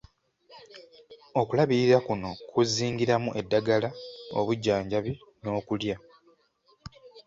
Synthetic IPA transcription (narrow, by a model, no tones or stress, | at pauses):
o̞kulaβiɾiɾakuno̞kuziːŋɡiɾamuʔe̞dːaɡalao̰βuɟːaːɲɟaβino̞ːkulja